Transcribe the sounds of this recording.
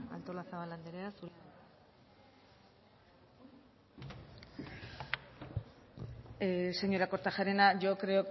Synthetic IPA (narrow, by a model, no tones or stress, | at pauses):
a̰lt̪o̞lasaβalːand̪eɾeasu | se̞ɲo̞ɾako̞ɾt̪aʝaɾenaʝo̞kɾe̞o